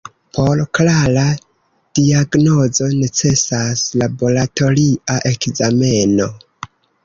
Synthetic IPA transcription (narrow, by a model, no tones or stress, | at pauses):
pʰo̞ɾklaɾa | d̥iaɡno̞zo̞ne̞t͡se̞saslabo̞lato̞liaʔe̞kzame̞no̞